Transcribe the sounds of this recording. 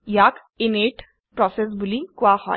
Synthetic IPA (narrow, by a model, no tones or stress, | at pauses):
jak | ɪneʈ | pɾɔses̬bulikwahɔ̰